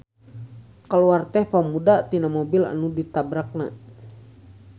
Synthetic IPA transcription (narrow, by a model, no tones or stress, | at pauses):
kəluart̪ɛhpamudat̪inamɔbila̰nudit̪abɾak̚na